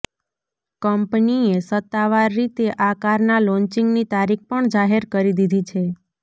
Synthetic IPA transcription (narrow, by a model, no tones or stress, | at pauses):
kəmpniesət̪ːaʋaɾːit̪eʔakaɾnalɔ̃nt͡ʃiŋɡnit̪aɾik̚pəɳd͡ʒaɦeɾkəɾid̪id̪ʱit͡ʃʰe